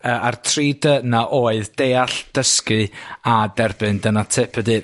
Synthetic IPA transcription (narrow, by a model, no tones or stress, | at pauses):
əːʔartʰridənaʔoːɨðd̥ejaɬd̥əskɨadɛrbɨndənatʰɪpʰədɨ